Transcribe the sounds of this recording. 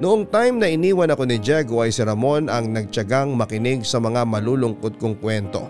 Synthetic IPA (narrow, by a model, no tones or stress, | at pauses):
nʊʔoŋt̪ajmnɐʔɪniːwɐnɐko̞nɪd͡ʒɛɡoʔɐjsɪɾɐmo̞nʔɐŋnɐɡ̚t͡ʃɐɡaŋmɐkɪnɪɡ̚sɐmɐŋamɐluːlʊŋkod̪̚koŋkwɛnt̪o̞̰